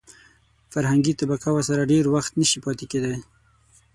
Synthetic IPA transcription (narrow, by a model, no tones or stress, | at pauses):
faɾɦaŋɡit̪abakawəɾsaɾaɖeɾwaxt̪nəʃipɑt̪eked̪aj